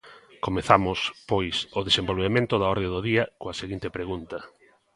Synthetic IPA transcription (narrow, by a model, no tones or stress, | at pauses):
komeθamʊspojsoðesembolβemẽnt̪ʊðaɔɾðedoðiɐkoɐseɣint̪epɾeɣunt̪ɐ